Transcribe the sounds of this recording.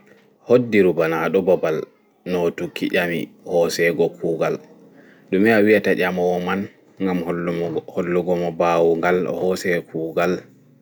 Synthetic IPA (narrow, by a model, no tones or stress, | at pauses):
hodːiɾubanaɗɔbabal | nɔtukːiʔamḭhɔsɛɡɔkʰuːɡal | ɗumɛawiataʔʲamɔwɔman | ŋɡamholːuɡɔmɔbawuŋɡalɔ̰hɔsɛkʰuːɡal